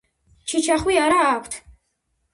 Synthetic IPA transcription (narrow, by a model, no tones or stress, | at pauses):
t͡ʃʰit͡ʃʰaχwiaɾaːkʷʰt̪ʰ